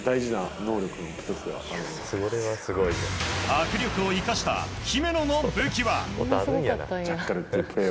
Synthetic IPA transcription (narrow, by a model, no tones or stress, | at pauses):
d̪aiʑinano̞ːɾʲo̞kɯnoki̥t̪ot͡sɨd̪eβa̰aɾɯ̟nsɡoɾeβasɨɡoiakɯ̟ɾʲjo̞kɯ̟o̞ikaɕi̥t̪a̰çime̞nono̞bɯ̟kʲiβa̰ | d͡ʑakːaɾɯt̪ːeɯpe